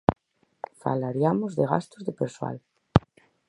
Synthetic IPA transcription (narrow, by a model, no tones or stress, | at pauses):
fa̰laɾiamozðeɣa̰st̪ʊzðepeɾswa̰l